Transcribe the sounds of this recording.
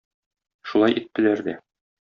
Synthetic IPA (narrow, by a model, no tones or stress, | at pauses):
ʃulˠɑjit̪ːɘ̆læɾd̪æ